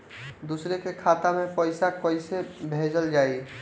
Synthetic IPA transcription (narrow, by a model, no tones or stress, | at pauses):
d̪usɾekekʰat̪amẽpəɪsakəɪsebʱed͡ʒəld͡ʒaːi